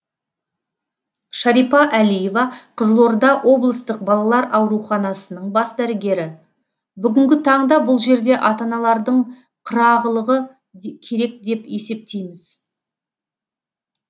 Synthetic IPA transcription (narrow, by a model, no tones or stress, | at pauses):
ʃɑɾipɑʔælije̞vɑqʰəzəlˠo̞ɾd̪ɑʔwʔo̞blˠəst̪əq̚bɑlˠɑlˠɑɾɑwɾuχɑnɑsənəɴbɑsd̪æɾɪɡʲe̞ɾɪ | bʏɡʲɪŋɡʲɪt̪ʰɑɴd̪ɑbʊlˠʒe̞ɾd̪e̞ʔɑt̪ɑnɑlˠɑɾd̪əɴ | qʰəɾɑʁəlˠəʁə | kʲʰe̞ɾe̞k̚d̪e̞pe̞se̞p̚t̪e̞jmɪz